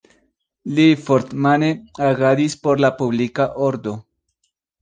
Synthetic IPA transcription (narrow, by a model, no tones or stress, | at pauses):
lifoɾt̪maneaɡadispoɾlapublikaʔoɾd̪o̞